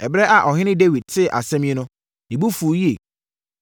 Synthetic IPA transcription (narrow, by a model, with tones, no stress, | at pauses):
ɛ˨bɾɛ˦ʔa˨ʔɔ˨ɦɪ̃˦nɪ̃˦de˦wi˨d̚tʰɪ˦˨ʔa̰˨sɛ̃˦mĩ˦e˦nʊ̃˦ | nɪ̃˨bu˦fu˨˦ji˦e˨